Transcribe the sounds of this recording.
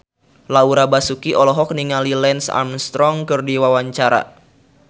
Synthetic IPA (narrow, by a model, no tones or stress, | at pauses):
lauɾabasukiʔɔlɔɦɔk̚niŋalilɛnsa̰mst̪ɾɔŋkɨrdiwawaɲt͡ʃaɾa̰